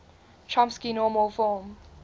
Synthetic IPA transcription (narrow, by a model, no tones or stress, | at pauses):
t͡ʃʰãmskinɔːməlfɔːm